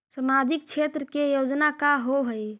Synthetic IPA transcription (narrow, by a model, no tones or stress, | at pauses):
səmad͡ʒɪk̚t͡ʃʰet̪ɾəkejod͡ʒnakaɦoɦəj